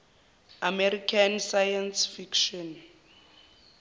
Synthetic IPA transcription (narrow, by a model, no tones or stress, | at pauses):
amɛɾikʰansajansfikʃɔn